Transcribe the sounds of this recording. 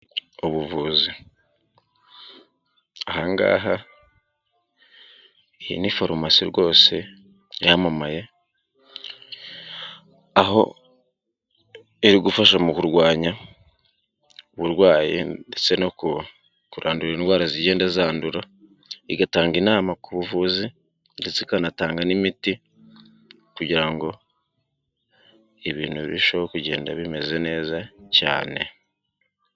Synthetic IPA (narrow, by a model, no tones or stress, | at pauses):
oβuvuːzi | ahaːŋɡa̰ːɦa | iḭnifoɾomasiɾwo̞ːse̞ | jamamaje̞ | aɦo̞̰ | eɾiɡufaʃamukuɾɡwaːɲa | uβuɾɡwaːjḭdet͡se̞noku | kuɾʔaːnduɾaindwaːɾaziɟe̞ːndezaːnduɾa | iɡataːŋɡinaːmakuβuvuːzi | ɾit͡sikanataːŋɡanimiti | kuɟiɾaŋɡo̞ | eβiːnuββiʃoβokuɟe̞ːnda̰βime̞ze̞ne̞ːzaca̰ːne̞̰